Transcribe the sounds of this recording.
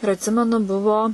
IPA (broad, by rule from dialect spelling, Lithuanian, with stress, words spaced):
ɪr ɐtʲˈsʲɪmʲɛnʊ ˈbʊʋoː